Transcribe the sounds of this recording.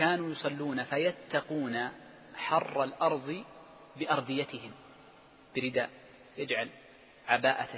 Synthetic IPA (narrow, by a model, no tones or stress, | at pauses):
kaːnuːjʊsˤɑlːuːnafajat̪ːɑquːna | ħɑrˤːɑlʔɑɾˤðˤɨ | bɪʔɑɾˤd̪ˤɨjat̪ɪɦɪm | b̥ɪɾɪd̪a̰ːʔ | jad͡ʒʕal | ʕabaːʔa